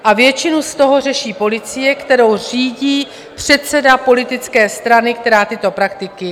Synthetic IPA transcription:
ʔavjɛt͡ʃɪnust̪o̞ɦo̞r̝ɛʃiːpo̞lɪt͡sɪjɛkt̪ɛɾo̞wriːɟiː | pr̝̥ɛt̪t͡sɛdapo̞lɪt̪ɪt͡skɛːst̪ɾanɪkt̪ɛɾaːt̪ɪt̪o̞pɾakt̪ɪkɪ

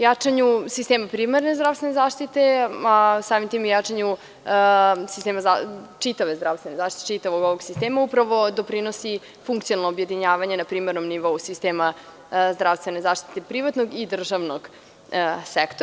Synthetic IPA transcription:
jat͡ʂaɲusist̪eːmapɾiːmaɾnezd̪ɾavst̪ʋenezaːʃt̪it̪easaːmimt̪iːmjat͡ʂaɲu | sist̪eːmazat͡ʃit̪aʋezd̪ɾaːʋst̪ʋe̞nezaːʃt̪i̥tie̥t͡ʃit̪aʋoɡoʋoɡsist̪eːmaupɾaʋo̞d̪o̞pɾino̞si | fuŋkt̪sioalnoːbje̞d̪iɲaːʋaɲe̞napɾiːmeɾnomniʋo̞usist̪eːma | zd̪ɾaʋst̪ʋe̞ne̞zaːʃt̪i̥t̪e̞pɾiʋat̪noɡid̪r̩ʒaʋnoɡ | sekt̪o

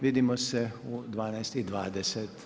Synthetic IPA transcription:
ʋiːd̪imɔsɛud̪ʋaːnajst̪id̪ʋaːd̪ɛsɛt̪

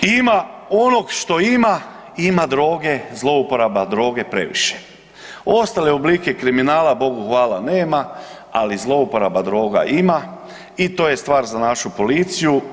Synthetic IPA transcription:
imao̞no̞ɡʃt̪o̞ima | imad̪ɾo̞ːɡe̞zlˠo̞upo̞ɾabad̪ɾo̞ːɡe̞pɾe̞̰ʋḭʃe̥ | o̞st̪aleoblike̞kɾiminaːlabo̞ɡuxʋaːlane̞ːma | alizlˠo̞upo̞ɾabad̪ɾo̞ːɡa̰ʔima | it̪o̞ːje̞st̪ʋaːɾzanaʃupo̞lit̪siju

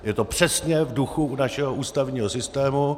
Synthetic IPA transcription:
jɛt̪opr̥ɛsɲɛvduxuunaʃɛɦoʔuːst̪avɲiːɦosɪst̪ɛːmu

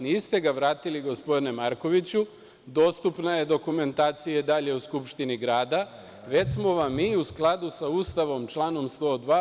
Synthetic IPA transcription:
niːst̪e̞ɡaʋɾaːt̪iliɡo̞spo̞d̪ine̞maɾko̞ʋit͡ɕu | d̪o̞ːst̪upnaje̞d̪o̞kume̞nt̪aːt̪sijad̪aʎe̞uskupʃt̪iniɡɾaːd̪a | ʋe̞t͡ɕsmo̞ʋamːiːusklˠad̪usauːst̪aʋo̞mt͡ʃlˠaːno̞mst̪o̞d̪ʋaː

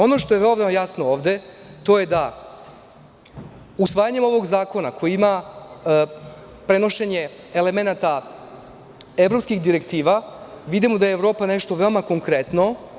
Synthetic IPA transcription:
o̞no̞ʃt̪o̞jeʋelod̪amajasnooːʋd̪e̞ | t̪o̞je̞d̪a | usʋaːjaɲe̞mo̞ʋo̞ɡzaːko̞nakʰo̞jiima | pɾe̞no̞ʃe̞ɲe̞ː | le̞me̞nat̪a | e̞vɾo̞pskixd̪iɾekt̪iːʋa | ʋid̪imod̪ajeːvɾo̞ːpane̞ʃt̪oʋe̞omako̞ŋkɾe̞t̪no̞

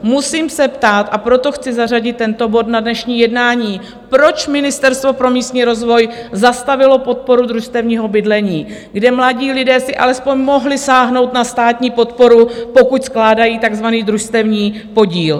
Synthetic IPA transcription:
musiːmsɛpt̪aːt̪ʔapɾo̞t̪o̞xt͡sɪzaraɟɪt̪ːɛnt̪o̞bo̞t̪nadnɛʃɲiːjɛdnaːɲiː | pɾo̞t͡ʃmɪnɪst̪ɛɾst̪vo̞pɾo̞miːst̪ɲiːɾo̞zvo̞jzast̪avɪlo̞po̞t̪̚po̞ɾud̪ɾuʃst̪ɛvɲiːɦo̞bɪdlɛɲiː | ɡdɛmlaɟiːlɪdɛːsɪʔa̰lɛspo̞ɲmo̞ɦlɪsaːɦno̞wt̪nast̪aːt̪ɲiːpo̞t̪po̞ɾupo̞kucsklaːdajiːt̪aɡzvaniːd̪ɾuʃst̪ɛvɲiː | po̞ɟiːl

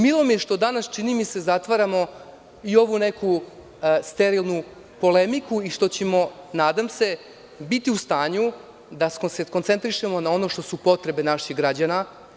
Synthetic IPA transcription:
milˠo̞mijeʃt̪o̞d̪anast͡ʃinimisezat̪ʋaɾamo̞ | io̞ʋune̞ku | st̪e̞ɾilˠnu | po̞le̞mikuiʂt̪o̞t͡ɕe̞mo̞naːd̪amse̞ | bit̪iust̪aːɲu | d̪askoseko̞nt̪se̞nt̪ɾiʃe̞mo̞nao̞no̞ʂt̪o̞supo̞t̪ɾe̞be̞naʃixɡɾad͡ʑana

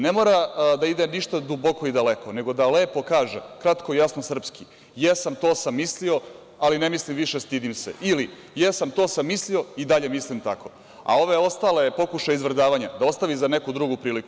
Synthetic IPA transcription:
nemoːɾad̪aid̪eniʃt̪ad̪uboko̞id̪ale̞ko̞ne̞ɡo̞d̪ale̞ːpo̞kaːʒekɾat̪kojasnosr̩pski | jesamt̪o̞ːsamːislio̞ | aline̞mislimʋiʃe̞st̪id̪imsḛili | jesamt̪o̞ːsamːislio̞id̪aʎe̞mislimt̪ako̞ | a̰o̞ʋeo̞st̪ale̞po̞kuʃajizʋrd̪aːʋaɲad̪ao̞st̪aʋizanekud̪ɾuɡupɾiːliku

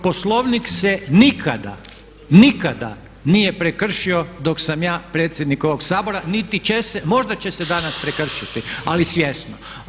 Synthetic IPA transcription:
po̞slˠo̞ʋniksenikʰad̪a̰ | nikad̪a̰ | nijepɾekr̩ʃio̞d̪o̞ksamjaːpɾet̪sjed̪niko̞ʋo̞ɡsaːbo̞ɾanit̪it͡ʃesemo̞ʒd̪at͡ɕe̞sed̪anaspɾekr̩ʃit̪ialisje̞sno

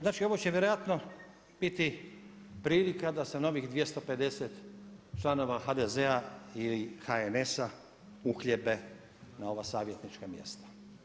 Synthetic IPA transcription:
znaːt͡ʃio̞ʋo̞t͡ɕeʋjeɾojat̪no̞ | b̥it̪i | pɾiːlikad̪aseno̞ʋixd̪ʋʲjest̪o̞pe̞d̪e̞set̪t͡ʃlˠano̞ʋaxad̪ezeailixaene̞sa | uxʎebe̞ | nao̞ʋasaːʋje̞t̪nit͡ʃkamje̞̰st̪ḁ

